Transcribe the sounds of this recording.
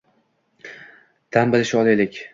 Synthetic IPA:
t̪ʰambɪlɪʃɒlˠelɪkʲ

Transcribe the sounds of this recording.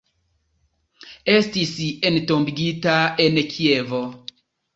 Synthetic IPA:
e̞stisentombiɡitaenkʰievo

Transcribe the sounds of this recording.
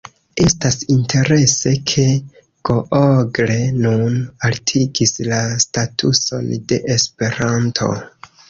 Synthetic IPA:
e̞stasintʰe̞ɾe̞se̞kʰe̞ | ɡ̥oʔoɡle̞nunaltʰiɡislastatʰṵso̞̰nde̞̰ʔespe̞ɾantʰo̞̰

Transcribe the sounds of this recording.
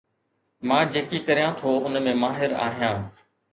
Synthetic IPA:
mãːd͡ʑeːkikəɾijãːt̪ʰoːʊnmẽːmaːɦɪɾa̰ːɦijãː

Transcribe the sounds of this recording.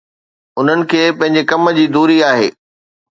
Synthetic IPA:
ʊn̤ənɪ̆kʰeːpɐ̃ɦɪ̃ɲ̆d͡ʑekɐmə̆d͡ʑiːd̪uːɾiaːɦḛː

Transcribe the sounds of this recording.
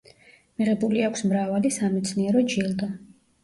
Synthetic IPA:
miʁɛbuliakʷʰsmɾavalisamɛt̪sʰniɛɾɔd͡ʒilˠd̪a

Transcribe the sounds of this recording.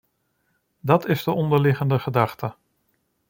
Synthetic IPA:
dɑtɪzdəʔɔndəɹlɪχəndəχədɑχtə

